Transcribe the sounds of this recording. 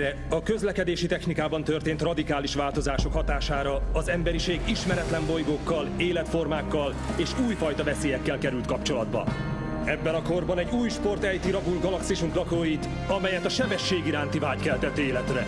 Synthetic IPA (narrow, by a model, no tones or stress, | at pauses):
ɛ | ɒkøzlɛkɛd̪eːʃit̪ɛxnikaːbɒn̪t̪ørt̪eːnt̪rɒd̪ikaːliʃʋaːlt̪o̞zaːʃo̞khɒt̪aːʃaːɾɒːzɛmbɛɾiʃeːɡiʃmɛɾɛt̪lɛmbo̞jɡoːkːɒleːlɛt̪fo̞rmaːkːɒl | eːʃuːjfɒjt̪ɒvɛseːjɛkːɛlkɛɾylt̪kɒpt͡ʃo̞lɒd̪bɒ̰ | ɛbːɛnɒko̞rbɒnɛɟuːjʃpo̞rt̪ɛjt̪iɾɒɡulɡɒlɒksiʃuŋklɒkoːjit̪ | ɒmɛjɛt̪ɒʃɛbɛʃːeːɡiɾaːnt̪ivaːckɛlt̪ɛt̪ːeːlɛt̪rɛ